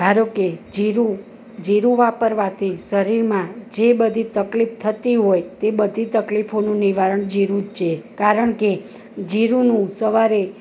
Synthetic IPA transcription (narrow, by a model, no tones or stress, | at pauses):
bʱaɾoked͡ʒiɾu | d͡ʒiɾuʋapəɾʋat̪ʰisəɾiɾmãd͡ʒebəd̪ʱit̪əklif̚ʰt̪ʰət̪iɦojt̪ebəd̪ʱit̪əklifʰonũniʋaɾəɳd͡ʒiɾũd͡ʒt͡ʃʰekaɾəɳke | d͡ʒiɾunũsəʋaɾe